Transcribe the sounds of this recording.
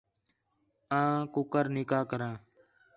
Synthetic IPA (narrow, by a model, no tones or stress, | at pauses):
ãːkʊkəɾnɪkaːkəɾãː